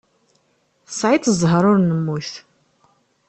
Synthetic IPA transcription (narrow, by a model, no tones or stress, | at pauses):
sʕit̪ʰzɦəɾʊɾnəmːuθ